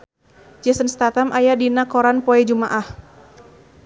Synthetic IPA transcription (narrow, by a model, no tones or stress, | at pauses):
d͡ʒɛsənst̪at̪amʔajadinakɔɾanpɔɛd͡ʒumaʔah